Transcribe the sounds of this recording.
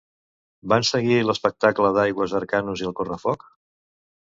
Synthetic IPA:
bansəɣiləspək̚t̪akləðajɣwəzəɾkanuziəlˠkorəfɔk

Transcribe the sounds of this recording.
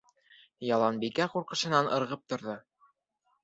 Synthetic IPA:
jɑlˠɑnbikæquɾqɤ̆ʃɤ̆nɑnʔɤ̆ɾʁɤp̚t̪ŏɾðɤ

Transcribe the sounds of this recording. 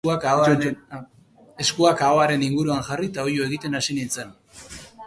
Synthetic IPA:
akao | e̞skuakao̞aɾe̞niŋɡuɾuaŋxarit̪ao̞jo̞e̞ɣ̞it̪e̞nasinint͡sen

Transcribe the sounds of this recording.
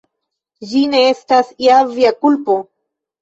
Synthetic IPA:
d͡ʒineest̪asiaviakulpo

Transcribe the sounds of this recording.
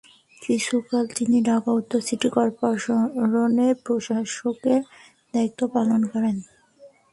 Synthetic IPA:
kɾit͡ɕʰukalt̪iniɖaɡaut̪ːosiʈikɔɾpoɾonepɾoʃaʃoke | d̪̥ajk̚t̪ːopalonkɔɾen

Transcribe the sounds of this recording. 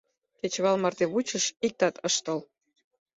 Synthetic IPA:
ket͡ɕβɑlmɑrt̪eβut͡ɕə̆ʃik̚t̪ɑt̪ɤʃt̪əl

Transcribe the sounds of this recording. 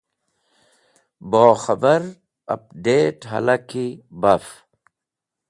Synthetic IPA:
boːxɐbɐɾ | ɐ̰p̚ɖeːʈɦɐ̰lɐkibɐf

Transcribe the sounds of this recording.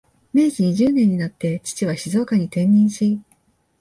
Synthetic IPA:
me̞ːzɨɲ̟iʑɨːnẽ̞ɲ̟ːinat̪ːe̞t͡ɕi̥t͡ɕiβ̞aɕizo̞ːkaɲ̟it̪ẽ̞ɲːĩɰ̃ɕi

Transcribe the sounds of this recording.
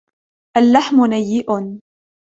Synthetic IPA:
ʔalːaħmʊnajːɪʔʊn

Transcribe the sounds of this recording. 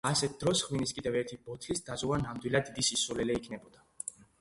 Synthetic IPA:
asɛt̪̚ʰd̪ɾɔsχwiniskʼid̪ɛvɛɾt̪ʰibɔt̪ʰlisd̪azuvanamd̪wilˠad̪ːid̪isisulɛlɛikʰnɛbɔd̪a

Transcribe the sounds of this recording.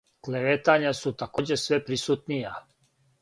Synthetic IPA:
kleʋet̪aɲasut̪akoːd͡ʑesʋepɾisut̪nija

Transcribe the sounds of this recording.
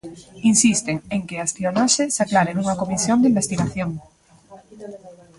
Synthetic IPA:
insist̪eŋeŋkeasp̪ionosesaklaɾenuŋɐkomisjond̪imbest̪iɣaθjoŋ

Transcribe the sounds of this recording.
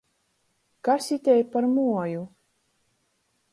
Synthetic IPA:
kasit̪ʲɛjpaɾmuɔju

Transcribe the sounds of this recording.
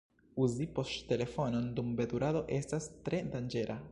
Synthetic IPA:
uzipo̞stte̞le̞fo̞no̞ndumbe̞d̪uɾado̞ʔe̞stastɾe̞dand͡ʒe̞ɾʔa

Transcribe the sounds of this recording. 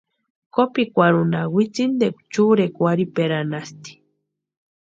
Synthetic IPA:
kopikʷaɾunawit͡sind̪ekʷt͡ʃuɾekʷaɾipeɾanast̪i̥

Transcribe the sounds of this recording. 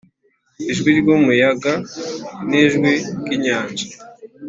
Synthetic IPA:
iʒɡwiɾɟomujaɡa | niʒɡwiɡiɲaːnʒḁ

